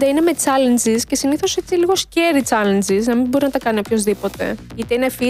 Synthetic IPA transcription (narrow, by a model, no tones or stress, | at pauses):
d̪ɐine̞me̞t͡sɐlend͡zisce̞siniθo̞se̞t͡siliɣo̞sceɾit͡sɐlend͡ziznɐmimbo̞ɾinɐt̪ɐkɐniopço̞zðipo̞t̪e̞̰it̪einefi